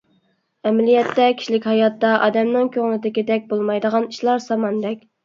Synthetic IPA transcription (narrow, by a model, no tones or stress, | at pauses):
ɛmlijɛt̪ːɛkʲʰi̥ʃlɪkʲhɑjɑt̪ːɑʔɑ̰d̪ɛmnɪŋkʲʰøŋlɪd̪ɪkʲid̪ɛk̚ʲbolˠmɑjd̪əʁɑniʃlˠɑɾsɑmɑnd̪ɛkʲ